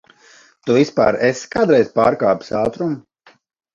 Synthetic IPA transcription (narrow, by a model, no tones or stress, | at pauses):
t̪uvispa̰ːɾeskaːd̪ɾɛjzpaːɾkaːpu̥saːt̪ɾum